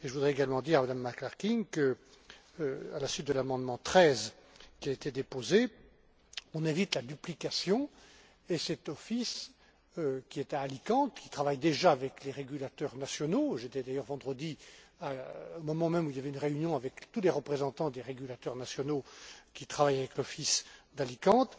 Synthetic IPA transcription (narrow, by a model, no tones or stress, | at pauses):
eʒəvud̪ʁɛeɡalmɑ̃d̪iʁamad̪amːaklaʁkʲiŋkə | alasɥit̪̚d̪əlamɑ̃d̪mɑ̃t̪χɛzkʲiaet̪ed̪epoze | ɔ̃nɛ̃vit̪lad̪yplikasjɔ̃ | esɛt̪ɔfis | økʲiɛt̪aːlikɑ̃t̪kʲi̥t̪χavajd̪eʒaːvɛkleʁeɡʲylat̪œʁnasjɔnoʒet̪ɛd̪ajœʁvɑ̃d̪ʁəd̪iaomɔmɑ̃mɛmuiljavɛynʁeynjɔ̃avɛkt̪uleʁəpχezɑ̃t̪ɑ̃d̪eʁeɡʲylat̪œʁnasjɔnokʲit̪χavajavɛklɔfisd̪alikɑ̃t̪